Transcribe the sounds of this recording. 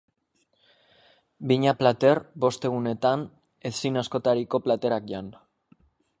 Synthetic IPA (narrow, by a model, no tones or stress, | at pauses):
biɲaplat̪e̞ɾbo̞st̪e̞ɣ̞une̞t̪an | esinasko̞t̪aɾiko̞plat̪e̞ɾak̚ʝan